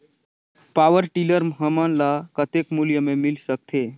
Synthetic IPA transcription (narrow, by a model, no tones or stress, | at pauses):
pawəɾʈiləɾmɦəmanlakət̪ekmuljəmemilsək̚t̪ʰe